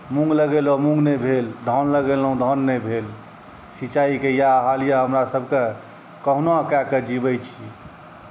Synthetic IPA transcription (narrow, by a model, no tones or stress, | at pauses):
mũŋɡləɡelɔmũŋɡnɛbʱeld̪ʱɔnləɡelɔũd̪ʱɔnːɛbʱel | sit͡ʃaikejaɦalijaɦəmɾasəbʱke | kəɦnakɛked͡ʒibəjt͡ʃʰi